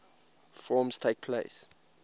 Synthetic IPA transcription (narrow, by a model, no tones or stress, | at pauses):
fɔːmstʰeɪk̚pʰlḛɪs